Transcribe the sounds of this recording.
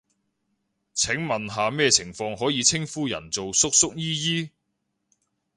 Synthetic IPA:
t͡sʰɪ˨˥ŋmɐ˨nɦaː˨mɛː˥t͡sʰɪ˨˩ŋfɔː˧ŋɦɔː˨˥jiː˨˧t͡sʰɪ˥ŋfuː˥jɐ̰˨˩nt͡so˨wsʊ˥k̚sʊ˥k̚jiː˥jiː˥

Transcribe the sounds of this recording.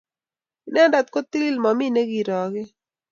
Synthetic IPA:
nɛ˦nda˨t̪̚ko˦t̪i˦li˦lmɔ˨mi˦ne˦ɡi˨ɾɔ˨ɡɪ˦

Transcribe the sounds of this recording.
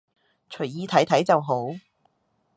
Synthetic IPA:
t͡ʃʰɵ˨˩ɥjiː˧t̪ʰɐ˨˥jt̪ʰɐ˨˥jt͡sɐ˨wɦo˨˥w

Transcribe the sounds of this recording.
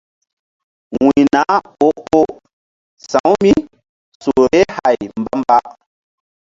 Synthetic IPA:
ŋwi˨na˨˦ | o˦ʔo˦ʔ | sa˨˦wmi˦ | so˨ɾe˦ha˨jm̩˦ba˦m˦ba˦ʔ

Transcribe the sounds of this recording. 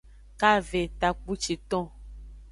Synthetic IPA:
ka˦ve˨t̪a˨k͡pu˦t͡ʃi˨t̪ɔ̃˦

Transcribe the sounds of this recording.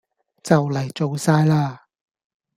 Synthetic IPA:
t͡sɐ˨wlɐ˨˩jt͡so˨wsaː˧jlaː˧

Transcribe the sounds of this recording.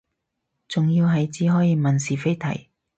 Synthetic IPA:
t͡sʊ˨ŋji˧wɦɐ˨jt͡siː˨˥ɦɔː˨˥jiː˧mɐ˨nsiː˨fe˥jt̪ʰɐ̰˨˩j

